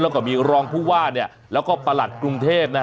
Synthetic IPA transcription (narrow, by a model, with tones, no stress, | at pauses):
lɛː˦˥wkɔː˥˩miː˧ɾɔː˧ŋpʰuː˥˩waː˥˩ni˥˩ɐ | lɛː˦˥wkɔː˥˩pa˧la˨˩t̪̚kɾu˧ŋt̪ʰeː˥˩p̚na˦˥